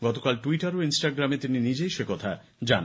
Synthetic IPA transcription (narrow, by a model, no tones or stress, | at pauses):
ɡɔt̪okalʈuiʈaɾoinsʈaɡɾamet̪ininid͡ʑejʃekɔt̪ʰa̰ | d͡ʑan